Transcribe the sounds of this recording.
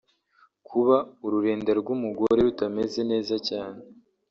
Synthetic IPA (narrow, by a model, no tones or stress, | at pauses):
kʰuβauɾuɾe̞ːndaɾɡumuɡo̞ɾe̞ɾutame̞ze̞ne̞ːzacaːne